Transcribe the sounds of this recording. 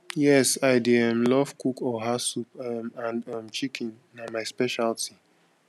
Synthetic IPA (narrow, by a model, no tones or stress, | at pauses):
jɛsaɪdiɛmlɔvkukɔɦasupmãndamt͡ʃikʰĩn | namaɪspɛʃaltʰi